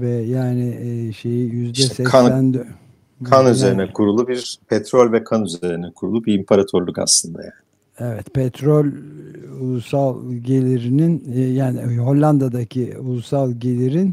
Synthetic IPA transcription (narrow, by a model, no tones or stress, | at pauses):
vɛjaːnɪʃe̞jijyzd̪ɛsɛænd̪ø | anyze̞ɾinɛkʰuɾulˠubiɾpʰɛt̪ɾolʲvɛkʰanyze̞ɾinɛkʰuɾulˠubiɾimpʰaɾat̪ʰoɾlʲˠuka̰slˠɯnd̪a̰jaːnɪ | evɛt̪pʰɛt̪ʰɾolʲulˠusalˠɟe̞lʲiɾininjaːnɪɦo̞lʲːand̪ad̪acʰiulˠusalˠɟe̞lʲiɾin